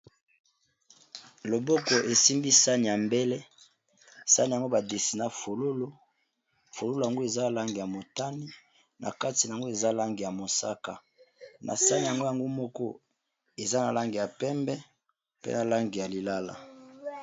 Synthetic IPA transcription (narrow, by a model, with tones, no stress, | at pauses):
lo˨bo˦kɔ˨ʔe˨si˦mbi˦sa˦n˨ja˨mbe˦le˦ | sa˦ni˨ja˨ŋɡo˦ba˨de˨si˨na˨fo˨lo˦lo˦ | fo˨lo˦lo˨ja˨ŋɡo˦e˨za˦˨la˦ŋɡi˨ja˨mo˨ta˦ni˦ | na̰˨ka˦ti˨na˨a˨ŋɡo˦e˨za˦la˦ŋɡi˨ja˨mo˨sa̰˦ka̰˨ | nʔa̰˨sa˦ni˨ja˨ŋɡo˦ja˨ŋɡo˦mɔ˦kɔ˦ | e˨za˦na˨la˦ŋɡi˨ja˨pɛ˦mbɛ˦ | pḛ˦na˨la˦ŋɡi˨ja˨li˨la˦la̰˨